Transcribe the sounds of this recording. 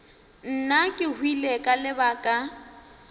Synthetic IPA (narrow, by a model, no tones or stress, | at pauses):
n̩nakʼɪhwilekʼalɪbakʼa